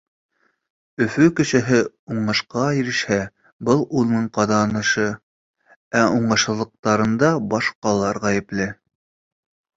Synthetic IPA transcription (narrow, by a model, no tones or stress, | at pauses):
ɵ̆fɵkɘ̆ʃɘ̆ɦɘ | uɴɤ̆ʃqɑjĭɾɘ̆ʃhæ | bɤlˠulˠnɤɴqɑd̪ɑːnɤʃɤ | æuɴɤ̆ʃɤ̆lˠɤ̆q̚t̪ɑɾɤ̆nd̪ɑbɑʃqɑlˠɑɾʁæjɘ̆plɘ